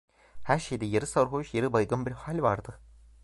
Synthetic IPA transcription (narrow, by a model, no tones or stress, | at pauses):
hæɾʃejd̪ɛjaɾɯsaɾɦoʃjeɾɯbajɡɯnbiɾhalʲvaɾd̪ɯ